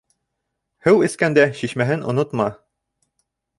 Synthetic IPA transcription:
hɘwɘ̆skænd̪æɕiʃmæɦɘnʔŏ̰not̪mɑ

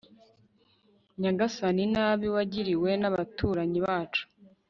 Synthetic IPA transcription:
ɲaɡasaninaβiwaɟiɾiwe̞naβatʰuːɾaɲiβaːt͡ʃu̥

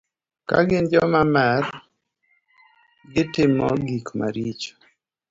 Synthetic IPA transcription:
ka̰ɡɪnd͡ʒɔmamar | ɡɪtɪmɔɡikma̰ɾit͡ʃɔ̥

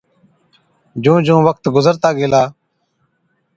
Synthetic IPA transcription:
d͡ʒũːd͡ʒũːʋək̚t̪ɡʊzəɾt̪aːɡeːlaː

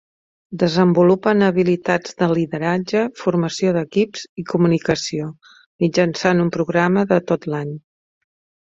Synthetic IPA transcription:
d̪əzəmbulupənəβilit̪ad͡zd̪əliðəɾad͡ʒəfuɾməsioðəkipz̥ikumunikəsio | mid͡ʒənsanumpɾuɣɾaməðət̪ot̪laɲ

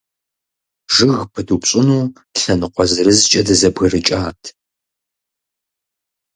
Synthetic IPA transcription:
ʒɨɣpʰɨdupɕʼɪnuː | ɬɐnɨqʷɔzɨrɨzt͡ʃʼɐdɐzɐbɣɐrɨt͡ʃʼaːtʰ

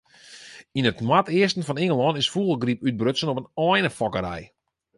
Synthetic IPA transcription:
inətnwatɪəstən̩fɔnɪŋəlˠɔnɪsfuːlˠəɡripyt̚brøsənɔpənɔjnəfɔkəɾɛ̰j

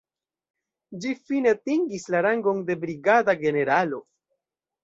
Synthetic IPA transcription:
d͡ʒifinetiŋɡislaɾaŋɡo̞ŋde̞bɾiɡadaɡe̞ne̞ɾalo̞

